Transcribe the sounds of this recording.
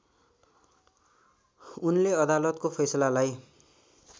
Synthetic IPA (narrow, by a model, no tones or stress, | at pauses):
unleʌd̪alʌt̪kopʰʌjsʌlalaj